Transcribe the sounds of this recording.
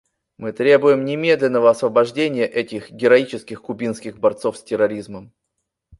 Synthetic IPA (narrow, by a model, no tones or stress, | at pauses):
mɨt̪ɾʲe̞bʊjɪmnʲɪmʲe̞d̪lʲɪnːəvəɐsvəbɐʐdʲenʲɪjəʔɛtʲɪxɡʲɪɾɐit͡ɕɪskʲɪxkʊbʲinskʲɪɣbɐrt̪sofsʲtʲɪɾɐɾʲizməm